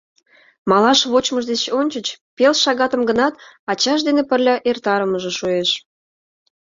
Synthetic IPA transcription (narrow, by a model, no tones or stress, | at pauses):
mɑlɑʃβot͡ɕməʒd̪et͡ɕonʲt͡ɕət͡ɕpelʃɑɣɑt̪əmɡənɑt̪ɑt͡ɕɑʃd̪enepərlʲɑʔert̪ɑɾəməʒĕʃueʃ